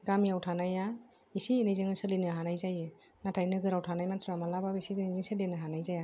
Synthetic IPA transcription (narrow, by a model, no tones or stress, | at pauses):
ɡamijawtʰanaja | isienijzɯŋɯsɯlenɯɦanajzajɯ | natʰajnɯɡɯɾawtʰanajmantʰɾuamalababisienizɯŋsɯlenɯɦanajzaja